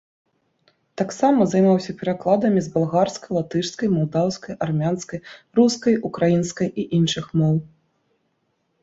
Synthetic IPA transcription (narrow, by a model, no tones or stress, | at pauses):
t̪aksamɐzajmawsʲɐpʲɛɾaklˠad̪ɐmʲizbalˠɣarskɐjlˠat̪ɨʂskɐjmald̪awskɐjarmʲanskɐjruskɐjukɾajinskɐjiʔinʂɨxmɔw